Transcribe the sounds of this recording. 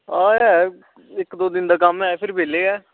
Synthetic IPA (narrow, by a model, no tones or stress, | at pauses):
aːɛː | ɪkd̪oːd̪ɪnd̪aːkamaːepʰɪɾbeːleːɡɛː